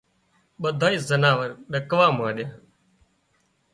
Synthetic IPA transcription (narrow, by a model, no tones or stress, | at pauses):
ɓəd̪ʱaːiːzənaːʋəɾɗəkʋaːmãːɗɪjãː